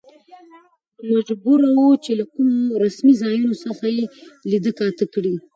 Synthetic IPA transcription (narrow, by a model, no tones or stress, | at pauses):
maʒbuɾawut͡ʃelakumoɾasmizɑjunosəxajelid̪əkɑt̪əkɽi